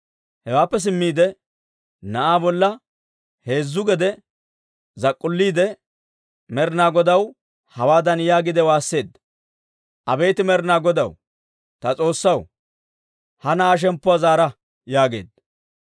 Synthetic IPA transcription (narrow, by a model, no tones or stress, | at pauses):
hɛwaːpːɛs̬ɪmːiːd̪ɛ | nɐʔaːbɔlːɐ | he̞ːzːʊɡɛd̪ɛ | zɐkʼːʊlːiːd̪ɛ | mɛɾnaːɡɔd̪ɐw | hɐwaːd̪ɐnjaːɡɪd̪ɛwaːsːe̞ːd̪ɐ | ʔɐbe̞ːt̪ɪmɛɾnaːɡɔd̪ɐw | t̪ɐt͡sʼo̞ːsːɐw | hɐnɐaːʃ̬ɛmpːʊazaːɾɐ | jaːɡeːd̪ɐ